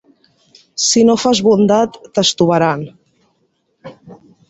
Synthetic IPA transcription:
sinofazβund̪at̪ːəst̪uβaɾan

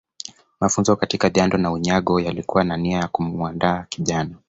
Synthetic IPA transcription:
mafunzɔkatikaʄandɔnauɲaɠɔjalikuwananiajakumuandaːkiʄanɔ

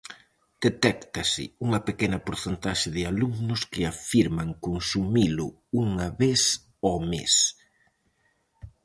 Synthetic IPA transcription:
d̪̥et̪ɛkt̪ɐsɪ̰uŋɐpekenɐpoɾθent̪aʃɪðɪaluŋnʊskɪafiɾmaŋkonsumilʊ̰ | uŋɐβes | omḛs

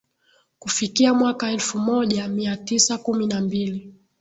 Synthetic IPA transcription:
kufikiamwakaɛlfumɔʄamiatisakuminambili

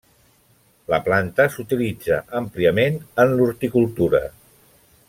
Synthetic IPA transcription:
lə̰plant̪əsut̪ilid͡zə̰ʔəmpliəmenənluɾt̪ikulˠt̪uɾə̰

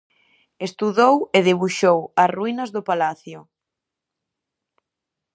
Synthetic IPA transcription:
est̪uðoweðeβuʃowɐsruinɐzðʊpalaθjʊ

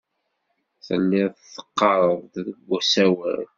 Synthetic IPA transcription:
θənːɪʁθθːə̥qːɑɾˤəðˤððəɡʷːæsæwæ̰ɾ

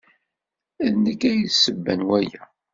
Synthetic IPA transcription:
æðnəkːæjsəbːænwæjæ

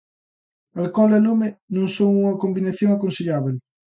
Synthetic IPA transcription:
alkɔlɛlomenõŋsoŋuŋɐkombinaθjoŋakõnsiʎaβel

